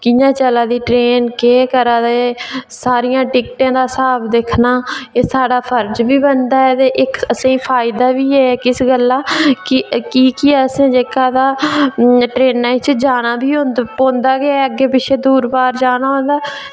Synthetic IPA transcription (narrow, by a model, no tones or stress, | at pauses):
kɪjãːt͡ʃəlaːd̪iːʈɾeːnkeːkəɾãːd̪eeːsaːɾɪjãːʈɪkʈãːd̪aːsaːbd̪eːkʰnaːeːsaːɽaːpʰəɾd͡ʒbiːbənd̪aːɛːt̪eːʔɪkəsãːpʰaːɪd̪aːʋiːɛːɛkɪsɡəlːaːkɪkiːkiɛəsẽːd͡ʒeːkaːd̪aː | ʈɾeːnːãːɪt͡ʃd͡ʒaːnaːbʱiːɦõnd̪põːnd̪aːɡeaəɡːeːpɪʃʰeːd̪uːɾbaːɾd͡ʒaːnaːɦõːnd̪aː